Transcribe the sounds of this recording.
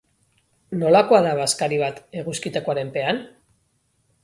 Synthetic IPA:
no̞lako̞aðaβaskaɾiβat̪e̞ɣuskit̪ekoaɾe̞mpe̞an

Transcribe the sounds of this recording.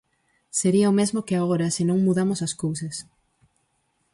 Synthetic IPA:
seɾiɐomezmokɪaɣoɾɐsɪnõŋmuðamosɐskowsɐs

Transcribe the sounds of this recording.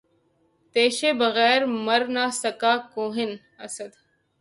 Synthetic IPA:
t̪eːʃeːbɐɣɛːɾmɐɾnaːsɐkaːkoːɦɪn | ɐsɐd̪

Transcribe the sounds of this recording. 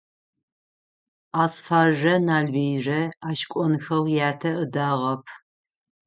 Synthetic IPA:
aːsfaːrʒɐnaːɮbeːjrɐaːʃkʷʼɔnɨxɐwjaːtʰɐʔɨdaːʁɐpʰ

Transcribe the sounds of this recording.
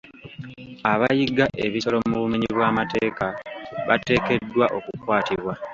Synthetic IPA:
aβajiɡaʔe̞βiso̞lo̞muβumiɲiβwaːmate̞ːkaβʔa̰te̞ːke̞dːwaʔo̞kukwaːtiβwa

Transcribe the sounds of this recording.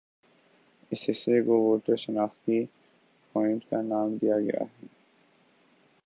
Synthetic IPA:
ɛsesekoʋoːʈəɾʃɐnaːxt̪i | pɔːɪ̃ɳʈkanaːmd̪ijaɡɐ̰ja̰ɦɛː

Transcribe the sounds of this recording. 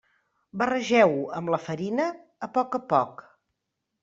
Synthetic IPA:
bərəʒɛwəmləfəɾinəː | pɔkəpɔk

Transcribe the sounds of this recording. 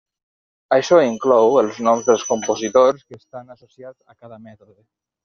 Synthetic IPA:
aʃɔiŋklɔwəlˠznɔmzd̪əlˠskumpozit̪oɾskəːst̪anasosiad͡zakaðəmɛt̪oðe

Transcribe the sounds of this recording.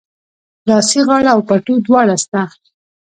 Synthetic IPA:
lɑsiɣɑɽaːwpaʈod̪wɑɽast̪a

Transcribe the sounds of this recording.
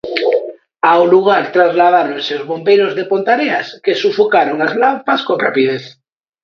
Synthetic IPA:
awluɣ̞aɾt̪ɾazlað̞aɾõnseozβo̞mbeɾozðepont̪aɾeaskesufokaɾoŋazlampaskonra̰pið̞eθ

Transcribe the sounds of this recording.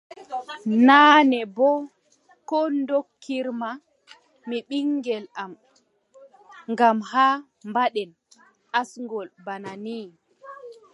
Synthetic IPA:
naːnɛbɔ | kɔndokʰːiɾma | miɓiŋːɡɛlam | ŋɡamhaː | mbaɗɛn | ʔasŋɡɔlbananiː

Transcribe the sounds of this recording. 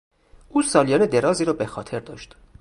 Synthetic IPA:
ʔuːsɒːlijɒːned̪e̞ɾɒːziːɾɒːbexɒːt̪ʰe̞ɾd̪ɒːʃt̪

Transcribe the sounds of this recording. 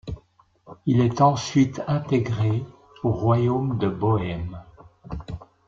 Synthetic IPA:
ilɛt̪ɑ̃sɥit̪ʰɛ̃t̪eɡʁe | oʁwajomd̪əbɔɛm

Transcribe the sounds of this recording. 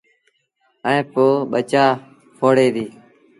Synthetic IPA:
əẽːpoːɓət͡ʃaː | kʰoːɽeːd̪iː

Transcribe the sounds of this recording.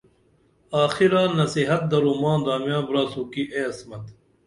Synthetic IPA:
aːxiɾãːnɐsiɦɐt̪̚d̪ɐɾuːmãːnd̪aːmjãːbɾaːsuːkiʔeːɐsmɐt̪

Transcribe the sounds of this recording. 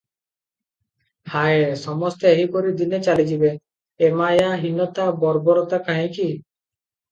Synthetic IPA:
haesɔmɔst̪eeɦikoɾid̪inet͡ʃalid͡ʒibe | emajaɦinːɔt̪abɔɾbɔɾɔt̪akaɦẽki

